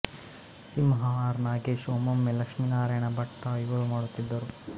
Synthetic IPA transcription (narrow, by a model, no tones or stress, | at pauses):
simɦaːɾnaːɡeːʃoːmɐmːelɐkʂminaːɾɐjɐɳɐbɐʈːɐiʋɐɾumaːɽut̪ːid̪ːɐɾu